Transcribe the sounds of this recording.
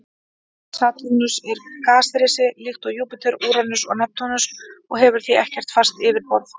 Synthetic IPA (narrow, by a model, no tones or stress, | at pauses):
saːt̪inusɛɾkaːsɾɪːsɪlɪxt̪ɔɣjuːpɪt̪ʰɛɾuːɾanʏsɔ̰ɣnɛp̚t̪ɔnʏsɔɣɦɛvʏɾ̥θiɛhcɛr̥t̪far̥st̪ɪːvɪɾpɔɾθ